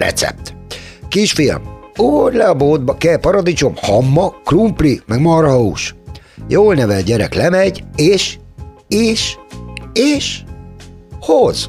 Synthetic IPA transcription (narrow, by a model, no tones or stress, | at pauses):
ɾɛ̰t̪sɛ̰p̚t̪kiʃfilmuoɾlɛɒboːd̪bɒkɛlpɒɾɒd̪it͡ʃomhɒmːɒkrumplimɛɡmɒrɦɒuʃ | joːlnɛvɛlɟɛɾɛ̰klɛmɛɟeːʃ | eːʃ | eːʃ | hoz̥